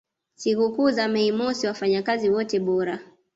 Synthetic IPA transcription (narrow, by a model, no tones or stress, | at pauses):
sikukuːzamɛimɔsiwafaɲakaziwɔtɛɓɔɾa